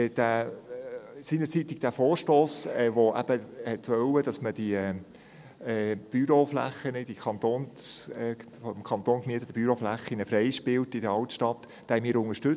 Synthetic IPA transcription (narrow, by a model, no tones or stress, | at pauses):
d̥æ | siːnət͡sit̪ɪɡ̚d̥æfoːɾʃtoːsɛʋoʔæ̰b̥əhɛtʋœwədɑsməd̥i | ɛb̥yɾoflæ̰χənəd̥ikʰɑnt̪oːns | fɔmkʰɑnt̪oːnkmiət̪əd̥̪əb̥yɾoflæχinəfɾɛjʃpɪltɪd̥əɑltʃtɑt̪ː | d̥æːmiɪːɾʊŋəʃtɵ